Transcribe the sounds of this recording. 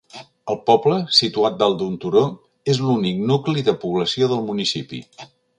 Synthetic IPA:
əlˠpɔbləsit̪uat̪̚d̪alˠd̪unt̪uɾo | ezlunik̚nukliðəpuβləsioðəlˠmunisipḭ

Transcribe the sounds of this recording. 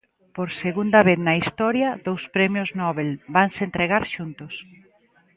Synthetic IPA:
poɾseɣund̪ɐβeθnɐist̪ɔɾjɐðowspɾɛmjʊznɔβelbaŋsent̪ɾeɣaɾʃunt̪ʊs

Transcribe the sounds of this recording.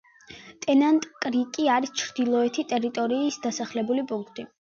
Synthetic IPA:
t̪ʼɛnant̪ʼkʼɾikʼiaɾist͡ʃʰɾd̪ilˠɔɛt̪ʰit̪ʼɛɾit̪ʼɔɾiːsd̪asaχlɛbulipʼuŋkʰt̪ʼi

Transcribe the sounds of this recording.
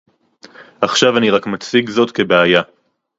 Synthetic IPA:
ʔaχʃavaniʁakmat͡siɡzo̞tke̞beaja

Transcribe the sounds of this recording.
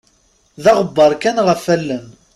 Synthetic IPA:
ðɑʁəbːɑɾˤkænʁəfælːən

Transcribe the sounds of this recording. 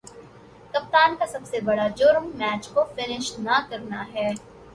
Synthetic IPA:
kɐp̚t̪aːnkasɐbsebɐɽad͡ʒoːɾəmːɛːt͡ʃkofɪnɪʃnɐkɐɾnaɦɛː

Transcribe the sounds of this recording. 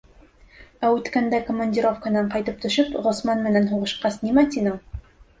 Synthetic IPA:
æʉt̪kænd̪ækŏmːonʲdʲiɾo̞fkənɑɴqɑjt̪ɤp̚t̪ɵ̆ʃɘpʁŏsmɑnmɘ̆nænɦuʁɤ̆ʃqɑsnimæt̪inɤɴ

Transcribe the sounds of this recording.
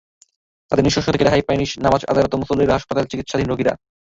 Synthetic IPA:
t̪ad̪eɾniʃoʃot̪ʰeked̪ɛɦʰajpajniʃnamad͡ʑad̪alot̪omosolːiɾɦaʃpat̪alt͡ɕikit̪ːʃad̪ʱinɾoɡiɾa̰

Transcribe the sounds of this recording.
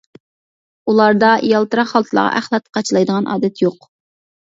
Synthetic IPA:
ulˠɑɾd̪ɑʔijɑlˠt̪ɨɾɑχɑlˠt̪ʰɨlˠɑ̰ʁɑ̰ʔæχlˠɑt̪̚qʰɑt͡ʃʰlˠɑjd̪əʁɑnʔɑ̰ːd̪ɛt̪joq

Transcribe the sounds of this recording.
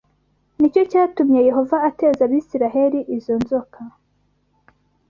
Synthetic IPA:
nico̞caːtumɲeje̞ɦo̞vaːte̞ːzaβiːsiɾaɦe̞ɾiʔizo̞nzo̞kʰa

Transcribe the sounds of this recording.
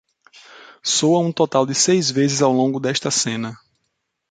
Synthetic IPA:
sowɐũt̪ɔt̪awd̪ɪsejzvezɪzawlõɡʊd̪ɛʃt̪ɐsẽnɐ

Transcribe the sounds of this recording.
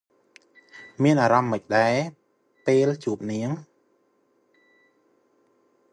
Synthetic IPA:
miənʔaːɾɑmːəc̚ɗaɛ | peːlt͡ɕuəp̚niəŋ

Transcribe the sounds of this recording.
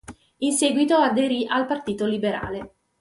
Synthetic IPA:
inseːɡwit̪oad̪eɾiʔalpart̪iːt̪olibeɾa̰ːle

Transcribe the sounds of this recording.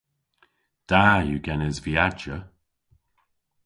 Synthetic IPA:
d̥aːjuɡɛnɪzviad͡ʒə

